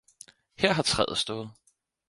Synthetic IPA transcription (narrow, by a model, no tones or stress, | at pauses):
heɐ̰ɦɑ̈t͡sʰʁɛ̰ð̩ˠsd̥ɔ̽ːð̞̩ˠ